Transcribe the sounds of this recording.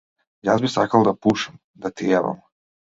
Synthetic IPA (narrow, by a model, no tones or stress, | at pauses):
jazbisakald̪apuːʃam | d̪at̪ijaβa̰m